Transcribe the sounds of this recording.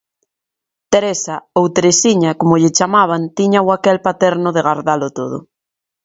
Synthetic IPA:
t̪eɾesaowt̪eɾesiɲakomʊʎɪt͡ʃamaβ̞ant̪iɲawakɛlpat̪ɛɾnʊðeɣaɾðalʊt̪oðʊ̰

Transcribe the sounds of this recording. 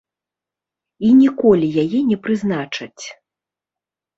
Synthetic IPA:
inʲikɔlʲijajɛnʲɛpɾɨznat͡ʂɐt͡sʲ

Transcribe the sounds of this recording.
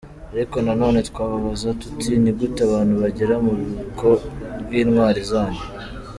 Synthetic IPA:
aɾiko̞nano̞ːne̞tkwaːβaβazatu̥tinibɡutaβaːnhuβaɟeɾamuβikʰo̞ɾɡiːnŋwaːɾizaːɲe

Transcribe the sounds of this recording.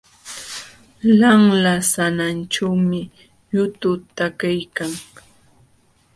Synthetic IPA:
laŋlasananʈ͡ʂawmɪ | ʎʊt̪ʊt̪akajkaŋ

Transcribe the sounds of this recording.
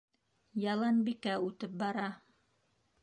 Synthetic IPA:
jɑlˠɑnbikæʉt̪ɘp̚bɑɾɑ

